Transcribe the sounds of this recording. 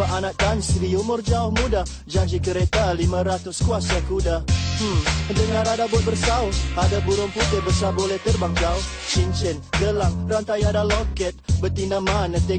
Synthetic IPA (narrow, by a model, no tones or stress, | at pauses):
əʔanak̚d̪ansəɾiumʊrd͡ʒaʊhmuda | d͡ʒaɲd͡ʒikəɾet̪alimãɾat̪ʊskuasakuda | dəŋaɾadabʊət̪̚bərsauadabuɾʊŋput̪ɪbərsabolɛht̪ərbaŋd͡ʒaʊ | t͡ʃint͡ʃɛnɡəlaŋrant̪ajadalɔkɛt̪̚bət̪inamanat̪ɛ